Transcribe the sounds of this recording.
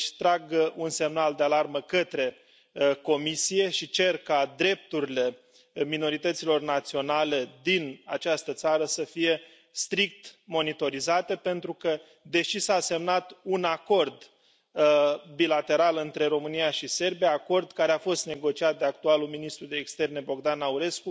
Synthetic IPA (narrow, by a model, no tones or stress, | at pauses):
ʃt̪ɾaɡəunse̞mnald̪ealarməkət̪ɾe̞ | ko̞misije̞ʃit͡ʃe̞rkad̪ɾe̞p̚t̪uɾile̞ | mino̞ɾit̪ət̪silo̞rnat̪sio̞nale̞d̪ina̰t͡ʃast̪ət̪saɾəsəfije̞ | st̪ɾik̚t̪mo̞nit̪o̞ɾizat̪e̞pe̞nt̪ɾukə | d̪e̞ʃisase̞mnat̪unako̞rd̪ | bilat̪e̞ɾalɨnt̪ɾe̞ɾo̞mɨnijaʃise̞rbijaːko̞rd̪kaɾe̞afo̞st̪ne̞ɡo̞t͡ʃiat̪̚d̪e̞ak̚t̪ualulminist̪ɾud̪e̞ːkst̪e̞rne̞bo̞ɡd̪anːauɾe̞sku